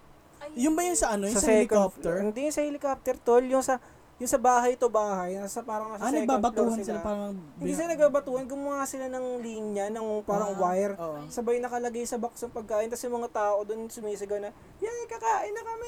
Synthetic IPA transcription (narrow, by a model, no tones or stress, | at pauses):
jʊnbɐjʊŋsɐɐnojsɐsɛkap̚t̪ɛhɪnd̪ijʊŋsɐhɛlɪkap̚t̪ɛɾt̪oljʊŋsɐ | jʊŋsɐbaːɦɐjt̪o̞baːhɐj̪ɐsɐpaːɾɐŋɐsasnɐɡ̚babɐtluːhɐnsɪlapaːɾɐŋɪniːs̬ɪlanɐɡ̚baːbɐt̪uːhɐnɡʊmʊhaːsɪlanɐŋliːɲɐnɐŋpaːɾɐŋwajɾoʔsɐbɐjʊnɐkɐlɐɡajsɐbɐksɐŋpɐɡ̚kaːʔɪnt̪ɐsjʊŋmɐŋat̪aːʔo̞d̪onsʊmiːsɪɡɐnɐ | jaɐjkɐkaːʔɪnːɐkɐmɛ